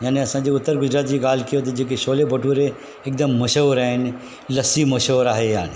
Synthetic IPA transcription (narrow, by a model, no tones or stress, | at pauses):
jaːneɐsãːd͡ʑeʊt̪ːəɾɡʊd͡ʑɾaːt̪d͡ʑiːɡaːl̤kijot̪̬ɐd͡ʑeːk̬eʃoːlebʱɐʈuːɾe | ɪk̚d̪əmːɐʃoʋɾaːɦɪn | lɐsimɐʃoːɾaːɦejaːn